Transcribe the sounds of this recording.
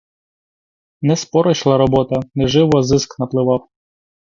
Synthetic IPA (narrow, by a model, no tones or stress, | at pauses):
nɛspɔɾɔt͡ʃlˠɐɾɔbɔt̪ɐnɛʒɪwɔzɪsknɐplˠɪʋɑw